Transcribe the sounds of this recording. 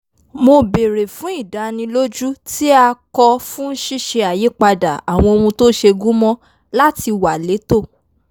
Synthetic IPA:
mo˧be˨ɾe˨fũ˨˦i˦˨da˨˦nĩ˧lo˦d͡ʒu˦ti˦a˧kɔ˧fũ˦n̩˦ʃi˦ʃe˧a˨je˨˦k͡pa˧da˨a˨w̃ɔ̃˧o˧ũ˧to˦ʃe˧ɡũ˦mɔ̃˦ | la˦ti˧wa˨le˨˦to˦˨

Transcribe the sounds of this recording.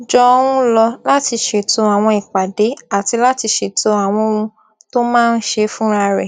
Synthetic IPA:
d͡ʒɔ˧wũ˦lɔ˧la˦ti˧ʃe˨to˧a˨w̃ɔ̃˧i˨k͡pa˨de˨˦a˨ti˧la˦ti˧ʃe˨to˧a˨w̃ɔ̃˧ũ˧ | to˦mãː˦˧n̩˦ʃe˧fũ˦ɾa˧ɾɛ˨

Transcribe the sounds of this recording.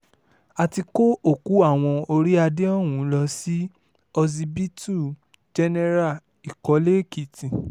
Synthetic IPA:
a˨ti˧ko˦o˦˨ku˨˦a˦˨w̃ɔ̃˧o˧ɾi˦a˧de˦ɔ˦˨wũ˨˦lɔ˧si˦ | ɔ˧zi˧bi˦tu˦˨ | d͡ʒɛ˦nɛ˦ɾa˦˨ | i˨kɔ˨˦le˦ki˨tĩ˨

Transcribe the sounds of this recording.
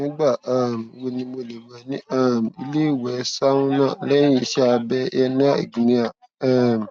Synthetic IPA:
nĩ˦ɡ͡ba˦˨a˨m˨wo˧nĩ˧mo˧˨le˨mã˨nĩ˦a˦˨m˨i˧le˦˨wɛ˨˦sa˦ũ˦nã˦˨lɛ˦ĩ˦i˧˨ʃɛ˦a˧bɛ˧˦ɛ˧nĩ˦a˦ḭ˨ɡi˨nĩ˦a˦˨ | a˦˨m˨

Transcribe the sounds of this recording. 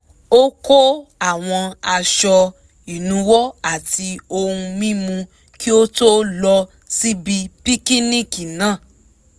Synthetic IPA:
o˦ko˦a˦˨w̃ɔ̃˧a˧ʃɔ˧ | i˨nũ˨˦wɔ˦a˦˨ti˧o˧hũ˧mĩ˦mũ˧ | ki˦o˦to˦lɔ˧ | si˦bi˧pi˦ki˦nĩ˦˨ki˨nãː˦˨

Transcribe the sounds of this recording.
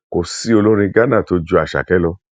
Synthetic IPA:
ko˨si˦o˧lo˦ɾ̃ĩ˧ɡa˦nã˦˨to˧d͡ʒu˧˦a˨ʃa̰˨kɛ˨˦lɔ˧

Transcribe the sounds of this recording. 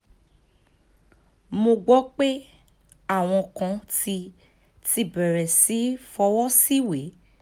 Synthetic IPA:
mõ˧ɡ͡bɔ˦k͡pe˦ | a˦˨w̃ɔ̃˧kã˧ti˧ | ti˧bɛ˨ɾɛ˨si˨˦fɔ˧wɔ˦si˦we˨˦

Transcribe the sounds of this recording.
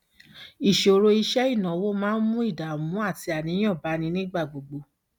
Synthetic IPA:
i˨ʃo˨˧ɾo˧i˧ʃɛ˦i˦˨nã˨wo˦mãː˦n̩˦mũ˦i˦˨da˨mũ˨˦a˦˨ti˧˦a˨nĩ˨˦j̃ã˦˨ba˨˦nĩ˧˦nĩ˦ɡ͡ba˦˨ɡ͡bo˨ɡ͡bo˧˦

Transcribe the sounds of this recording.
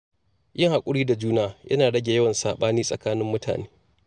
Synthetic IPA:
jɪ˦ŋha˨kʷʼʊ˦ɽiː˦da˨d͡ʒuː˦naː˦jʔɐ̰˦naː˨ɽɐ˦ɡʲe˨jɐ˦wɐ˨nsaː˨ɓaː˦niː˦sʼɐ˨kaː˦nɪ˦mːʊ˦tʰa̰ː˨neː˦

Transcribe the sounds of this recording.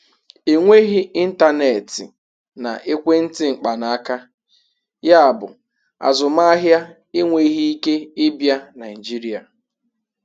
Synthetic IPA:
e˨ŋʷe˦ɣi˦ʔi˦n̩˦ta˦ne˨tɪ˨ | na̰˨ʔe˦kʷe˦n̩˦tɪ˦ŋ͡m̩˨k͡pa˨na˨a˦ka˦ | ja˦a˨bʊ̰˨ | a̰˨zʊ˨ma˦a˦ɦja˦ | e˦ŋʷe˦ɣi˦i˦ke˦ɪ˦bja˦na˨ɪ˨d͡ʒi˦ɾi˦a˨

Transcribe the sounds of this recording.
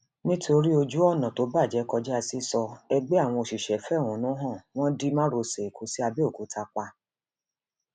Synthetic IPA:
nĩ˦tʰo˧ɾi˦o˧d͡ʒu˦ɔ˦˨nã˨to˨˦ba˦˨d͡ʒɛ˨˦kɔ˧d͡ʒɛ˦a˧si˦sɔ˧ɛ˧ɡ͡be˦a˦˨w̃ɔ̃˧o˨ʃi˨ʃɛ˨fɛ˦˨w̃ɔ̃˨˦nũ˨˦ɦã˦˨w̃ɔ̃˦di˦mã˦ɾo˧se˨kʰu˨˦si˦a˧be˦o˦˨ku˨˦tʰa˧k͡pa˧

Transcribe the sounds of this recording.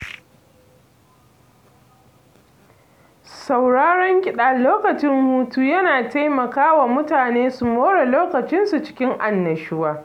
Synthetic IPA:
sa˨wɽaː˦ɽɔ˦ŋkʲʼɪ˨ɗaː˨loː˦kɐ˨t͡ʃɪ˦ŋhuː˦tuː˦jɐ˦naː˨ta˦jmɐ˨kaː˦wa˨mʊ˦taː˨neː˦su˨moː˦ɽe˨loː˦kɐ˨t͡ʃɪ˦nsu˨t͡ʃɪ̥˦kʲɪ˦ŋʔa˨nːɐ˨ʃɪ˦waː˦

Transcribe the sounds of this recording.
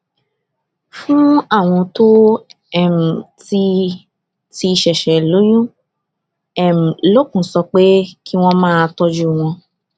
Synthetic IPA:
fũ˦a˦˨w̃ɔ̃˧to˦ | ɛ˦˨m̩˨ti˧˦ | ti˧ʃɛ˨ʃɛ˨lo˨˦jũ˦ | ɛ˦˨m̩˨lo˦kũ˨sɔ˧k͡pe˦ki˦w̃ɔ̃˦mãː˦˧tɔ˧d͡ʒu˦w̃ɔ̃˧

